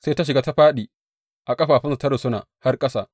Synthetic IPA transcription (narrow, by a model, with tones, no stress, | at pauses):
se˦jta˦ʃ̬ɪ˨ɡaː˦ta˦ɸaː˦ɗiː˨ | ʔa˨kʼɐ˦ɸaː˨ɸɪ˦sa˨tɐ˦ɽɪ˨sʊ˦na̰ː˨ha˦rkʼɐ˦sa̰ː˨